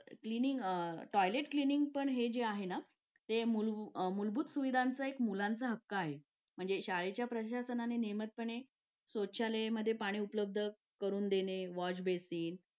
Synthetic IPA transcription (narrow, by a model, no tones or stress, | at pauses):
kliniŋɡʈɔjleʈkliniŋɡ̚pəɳɦed͡ʑeaɦena | t̪emulmulbʱuːt̪suʋid̪ʱant͡səekmulãnt͡səɦəkːəaɦe | m̤əɳd͡zeɕaɭet͡ɕjapɾəɕasənanenemət̪̚pəɳe | sot̪ɕaleməd̪ʱːjepaɽ̃iːupləb̚d̪ʱə | kəɾuːnd̪eneʋɔt͡ɕbesiːn